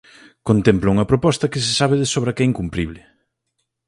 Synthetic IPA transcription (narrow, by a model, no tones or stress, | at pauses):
kont̪emplʊuŋɐpɾopɔst̪ɐkɪs̬ɪsaβ̞ɪðesoβɾɐkɛiŋkumpɾiβlɪ